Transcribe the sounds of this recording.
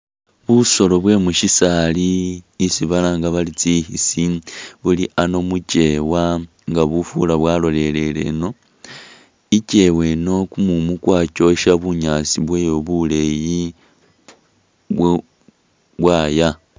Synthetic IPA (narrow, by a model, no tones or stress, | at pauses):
βuso̞lo̞βwe̞muʃisaliːsiβalaŋɡaβalit͡sihisiβuliʔano̞mut͡ʃe̞wa | ŋɡaβufṵlaβwaːlo̞le̞le̞le̞̰no̞ | ice̞we̞no̞kumumukwaːt͡ʃo̞ʃaβuɲat͡siβweːjo̞βule̞ji | βw | βwaːja